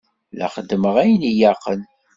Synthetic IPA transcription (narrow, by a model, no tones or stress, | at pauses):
læ̰χəd̪ːməʁæjənijaqːən